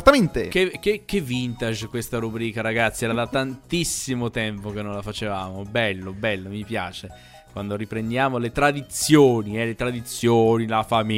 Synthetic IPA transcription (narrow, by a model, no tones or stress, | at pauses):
t̪ːament̪ekekːekːevːint̪aʒkwest̪aɾubɾiːkaɾaɡat̪sːiɛːɾad̪at̪ːant̪isimot̪ɛmpok̟enːõnlafat͡ʃevaːmobɛlːobɛlːomipja̰ːt͡ʃe | kwand̪oripɾend̪jaːmolet̪ɾad̪it̪sjoːniɛlet̪ɾad̪it̪sːjoːnilafami